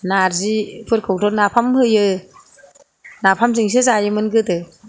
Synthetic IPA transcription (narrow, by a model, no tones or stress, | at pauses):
naɾzipʰɯɾkʰɔk̚tɔt̚napʰamhɯjɯ | napʰamziŋs̬ɯzajɯmɯnɡɯtɯ